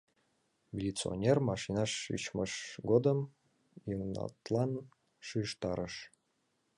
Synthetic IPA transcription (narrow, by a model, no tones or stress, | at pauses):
mʲilʲit͡sɨo̰nʲermɑʃinɑʃy̰t͡ɕməʃɡod̪əm | jəŋnɑ̰t̪lˠɑn | ʃyʃt̪ɑɾəʃ